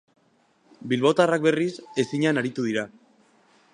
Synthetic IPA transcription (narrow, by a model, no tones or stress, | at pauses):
bilβo̞t̪arak̚be̞rise̞siɲanaɾit̪uðiɾa